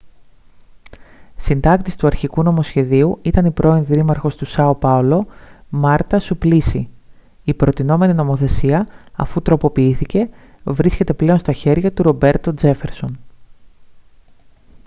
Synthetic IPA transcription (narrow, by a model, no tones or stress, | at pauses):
sind̪ɐk̚t̪ist̪uɐɾçikuno̞mo̞sçe̞ðiuit̪ɐnipɾo̞inðiɾimɐɾxo̞st̪usɐo̞pɐulo̞mɐɾt̪ɐsuplisi | ipɾo̞t̪ino̞me̞ninomo̞θe̞siɐɐ̰fut̪ɾo̞po̞piiθice̞ | vɾisce̞t̪e̞ple̞o̞nst̪ɐçe̞ɾʝɐt̪uɾo̞be̞ɾt̪o̞d͡ze̞fe̞ɾso̞n